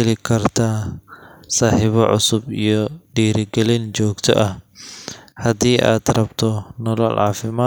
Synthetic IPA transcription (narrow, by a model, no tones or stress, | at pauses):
ɛlɪkʰɐrt̪ʰaː | saːħɪβɔʕʊ̰sʊbijɔɖiːɾɪɡɛlɪnt͡ʃɔːɡt̪ʰɔ̰ʔɐh | hɐd̪iːʔa̰ːd̪rɐbt̪ʰɔnɔlɔ̰lʕɑ̰ːfɪmaː